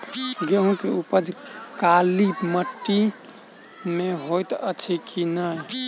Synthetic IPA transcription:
ɡeɦũt̪eupəd͡ʒkalibməʈːi | meɦojt̪ət͡ʃʰikʰinəj

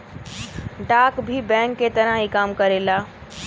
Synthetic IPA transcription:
ɖaːkbʱibɛ̃ːŋkːet̪ɐɾãɦikaːmkəɾelaː

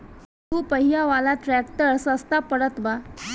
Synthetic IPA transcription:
upəɦijaʋalat̪ɾɛkʈəɾsəst̪apəɽət̪ʋa

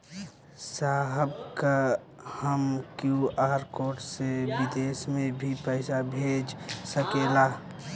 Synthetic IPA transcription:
saːɦəbka | həmkjuaːɾkoːʈsebɪd̪eːsmẽbʱipəɪsabʱeːd͡ʒsəkelaː

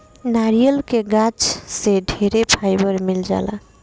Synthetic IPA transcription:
naɾijəlkeɡãt͡ʃseɖʱeɾepʰajbəɾmild͡ʒa̰la̰

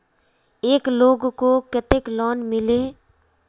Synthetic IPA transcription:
eːkloːɡkokət̪ɪklɔːnmɪleː

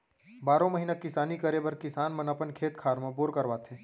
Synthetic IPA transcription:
baːɾõməɦinakɪsaːnikəɾebəɾkɪsaːnmə̃nɐpənkʰeːt̪kʰaːɾmẽboːɾkəɾʋaːt̪ʰẽː

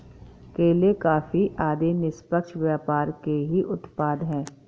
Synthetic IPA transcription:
keːlekaːfiʔaːd̪enɪspəkʃʋjaːpaːɾkeɦiʔʊt̪paːd̪ɦɛ̃ː

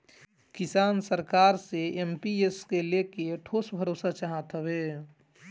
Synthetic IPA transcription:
kɪsaːnsəɾkaːɾseempieskelekeʈʰoːsbʱəɾoːsat͡ʃaɦat̪ɦəbeː

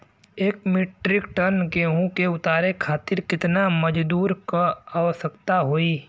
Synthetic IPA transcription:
eːkmɪʈɾɪkʈənkeɦũkeʊt̪aːɾekʰaːt̪ɪɾkɪt̪naməd͡ʒd̪uːɾkaaːʋəsəkt̪aɦoːiː

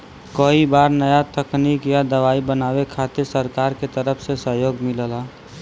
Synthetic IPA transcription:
kəibaːɾnəjat̪əkniːkjad̪əʋaːibənaːwekʰaːt̪ɪɾsəɾkaːɾket̪əɾəpʰsesəɦjoːɡmɪləlaː

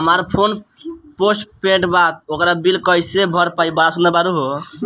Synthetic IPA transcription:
ɦəmaɾpʰonposʈpẽʈbat̪̚okɾabilkɔjsebʱɔɾpaibaɽasund̪əɾbaɾuɦo

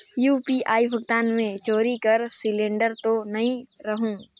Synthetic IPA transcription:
juːpiʔaːibʱəɡt̪aːnmẽt͡ʃoːɾikɐɾsɪlẽːɳɖəɾt̪onɐɦĩɾɐɦũː

